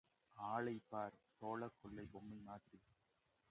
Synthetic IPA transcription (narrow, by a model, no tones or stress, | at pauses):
aːɭɐɪpːaːɾsoːlɐkːɔɭːɐɪbɔmːɐɪmaːt̪ri